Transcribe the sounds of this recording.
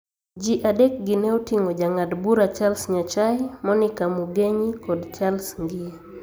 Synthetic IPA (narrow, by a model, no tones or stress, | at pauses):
d͡ʒiʔadɛk̚ɡinɛutiŋɔd͡ʒaŋadbuɾat͡ʃalsɲat͡ʃajmɔnikamuɡeɲikɔdt͡ʃalsŋɡia